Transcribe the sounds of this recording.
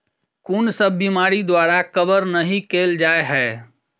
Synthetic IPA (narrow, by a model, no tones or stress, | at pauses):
kunsəbːimaɾid̪waɾakəbəɾnəɦĩkeːld͡ʒaeɦɛ